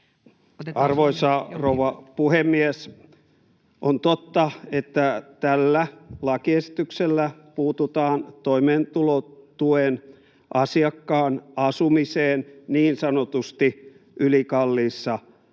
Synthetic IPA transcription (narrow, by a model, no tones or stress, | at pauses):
ɑrʋoisɑrouʋɑpuhemːies | ʔont̪ot̪ːɑet̪ːæt̪ælːælɑkiesi̥t̪ykselːæpuːt̪ut̪ɑːnt̪oimeːnt̪ulot̪uen | ʔɑsiɑkːɑːnɑsumiseːnniːnsɑnot̪ust̪i | ʔylikɑlːiːsːɑ